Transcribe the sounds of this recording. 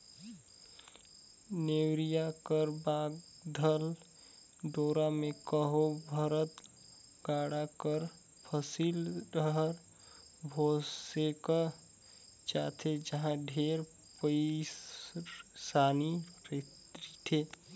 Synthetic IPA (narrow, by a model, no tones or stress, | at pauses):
newɾijakəɾbaɡ | d̪ʱəl | ɖoːɾamekəɦobʱəɾət̪ | ɡaɽakəɾ | pʰəsilɾəɦəɾ | bʱoseka | t͡ʃaːt̪ʰed͡ʒəɦãɖʱeɾ | pə | saːnipet̪ɾit̪ʰe